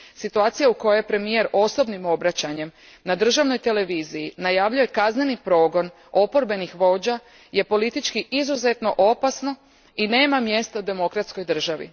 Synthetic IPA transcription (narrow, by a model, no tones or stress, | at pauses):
sit̪uaːt̪sijauko̞jejpɾe̞mije̞ɾo̞so̞bnimo̞bɾat͡ɕaɲe̞m | nad̪r̩ʒaʋno̞jt̪e̞le̞ʋiːzijinajaʋʎuje̞kazne̞nipɾo̞ːɡo̞n | o̞po̞ɾbe̞nixʋo̞ːd͡ʑa | je̞po̞lit̪it͡ʃkiizuze̞t̪no̞ʔo̞pasno̞ | ine̞ːmamje̞st̪aud̪e̞mo̞kɾat̪sko̞jd̪r̩ʒaʋḭ